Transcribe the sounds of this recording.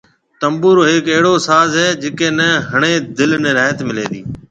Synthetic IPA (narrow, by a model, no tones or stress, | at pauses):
t̪əmbuːɾɦɪːkeɦɪɽoːsaːzɦɛːd͡ʒɪkeːnəɦəɳ̃eːd̪ɪlneɾaːt̪mɪlḛ̃ːd̪iː